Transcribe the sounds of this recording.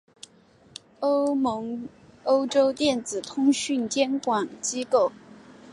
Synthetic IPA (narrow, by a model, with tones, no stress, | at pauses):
o˥ʊmɤ˧˥ŋ | o˥ʊʈ͡ʂo˥ʊt̪jɛ˥˩nt͡sɹ̩˨˩t̪ʰʊ˥ŋɕy˥˩nt͡ɕjɛ˥nkwɑ˨˩ŋt͡ɕi˥ko˥˩ʊ